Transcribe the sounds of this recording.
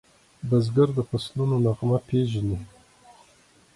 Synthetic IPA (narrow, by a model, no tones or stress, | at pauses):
bazɡaɾd̪əfaslunonaɣmapʰeʒani